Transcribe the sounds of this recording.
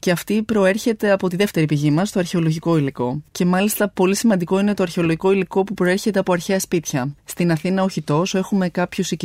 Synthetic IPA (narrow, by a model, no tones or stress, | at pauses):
ce̞ɐft̪ipɾo̞e̞ɾçe̞t̪e̞ɐpo̞t̪iðe̞ft̪e̞ɾipiʝimɐst̪o̞ɐɾçe̞o̞lo̞ʝiko̞iliko̞ce̞mɐlist̪ɐpo̞lisimɐnd̪iko̞ine̞t̪o̞ɐɾçe̞o̞lo̞ʝiko̞iliko̞pupɾo̞e̞ɾçe̞t̪e̞ɐpo̞ɐɾçeɐspit̪çɐst̪inɐθinɐoçit̪o̞se̞xume̞kɐpçusi